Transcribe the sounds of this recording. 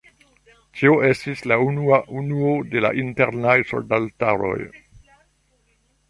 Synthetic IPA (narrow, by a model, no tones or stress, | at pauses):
tʰioʔe̞stislaunuaʔunuode̞la̰ʔinteɾnajso̞̰ldaltaɾo̞̰j